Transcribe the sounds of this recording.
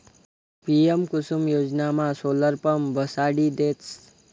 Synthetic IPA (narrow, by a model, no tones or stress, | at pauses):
piemkʊsumjoːd͡ʒnamãsoːləɾpəmbəsaɽid̪eːt͡s